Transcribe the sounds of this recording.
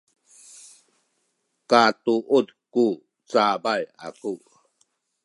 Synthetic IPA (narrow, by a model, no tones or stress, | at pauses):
katuʔudku | t͡sabaja̰ku